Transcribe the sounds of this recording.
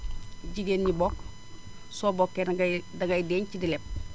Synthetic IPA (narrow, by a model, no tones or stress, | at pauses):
ɟiɡeːnɲibɔk | soːbɔkːedaŋɡɐjdeːɲcidilep̚